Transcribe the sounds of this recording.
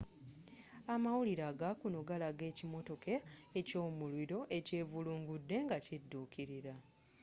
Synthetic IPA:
amawuliɾaːɡakunoɡalaɡe̞ːcimo̞to̞ke̞ːco̞ːmulwiɾo̞ʔe̞ce̞ːvuluːŋɡudːe̞ŋɡacidːuːkʰiɾiɾa

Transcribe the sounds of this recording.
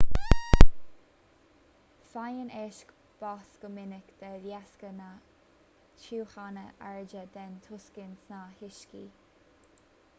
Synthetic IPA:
fajəneːʃk | b̥asɡ̥əmɪnɪkd̪̥əɾjaskəna | t͡ʃʰuːxanəʔaɹd͡ʒəd̪ɛnt̪ʰʊskɪnsnahɪʃki

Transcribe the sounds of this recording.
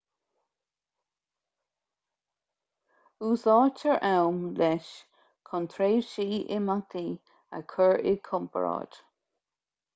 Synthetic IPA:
uːsɑːtʰəɹʔɛwmlɛʃ | kʰɔnt̪ʰɾeːʃiːʔɪ̰mat̪ʰi | ə̰kʰəɹɪ̰kʰʊmpə̰ɹɑ̰ːd̪̥

